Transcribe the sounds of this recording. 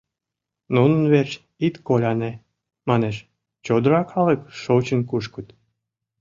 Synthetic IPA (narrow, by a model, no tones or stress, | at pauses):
nunənβert͡ɕ | it̪kolʲɑne | mɑneʃ | t͡ɕod̪əɾɑkʰɑləkʃot͡ɕənkuʃkə̆t̪